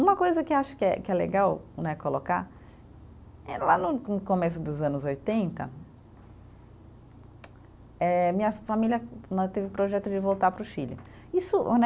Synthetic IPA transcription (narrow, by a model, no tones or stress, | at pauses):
ũmɐkojzɐkɪaʃʊ̥kɪɛkɪɛleɡawnɛkoloka̰ | ɛlanʊnʊkomesʊd̪ʊzɐ̃nʊzojt̪ẽnt̪ɐ̰ | ɛmĩɲɐfamilʲɐnɛ̃t̪evɪʊpɾoʒɛt̪ʊd͡ʒɪvowt̪aɾpɾʊʃilɪ̰ | isʊnɛ